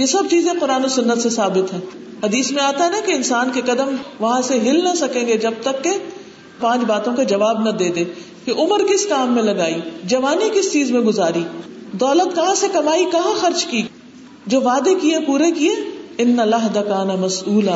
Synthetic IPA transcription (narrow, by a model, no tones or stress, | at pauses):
jesɐb̚t͡ʃiːzẽqʊɾaːnosʊnːət̪sesaːbɪt̪ɦɛ̃ː | hɐd̪iːsmẽaːt̪aɦɛnɐkeɪnsaːnkekɐd̪əmʋɐɦãseɦɪlnɐsɐkẽːŋɡed͡ʒɐb̚t̪ɐkːe | pãːt͡ʃbaːt̪õked͡ʒɐʋaːbnɐd̪eːd̪eː | keʔʊməɾkɪskaːmːẽlɐɡaːid͡ʒɐʋaːnikɪst͡ʃiːzmẽɡʊzaːɾiːd̪ɔːlət̪kɐɦãsekɐmaːikɐɦãxɐɾt͡ʃki | d͡ʒoːʋaːd̪ekiepuːɾekieɪnːɐlɐɦd̪akaːnamɐsuːla